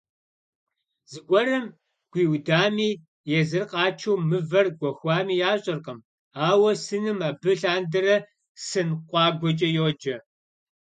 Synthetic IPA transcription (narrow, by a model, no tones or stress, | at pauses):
zɨɡʷʼɔɾɐm | ɡʷiːwdaːmiː | jɛzɨrqɑːt͡ʃʰɐwmɨvɐrɡʷɔxʷaːmiːjaːɕʼɐrqɐm | aːwɐsɨnɨmaːbɨɬaːndɐrɐ | sɨnqʷʼɑːɡʷɔt͡ʃʼɐjoːd͡ʒɐ